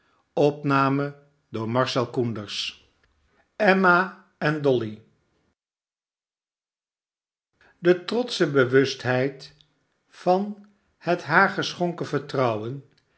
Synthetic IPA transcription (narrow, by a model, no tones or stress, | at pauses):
ɔpnaːmə | dʊːɹmɑɹsɛlˠkundəɹs | ɛma | ɛndɔli | dətrɔtsəbəʋɵstɦɛjt | fɑn | hətɦaːɹχəsχɔŋkəvəɹtrʌwən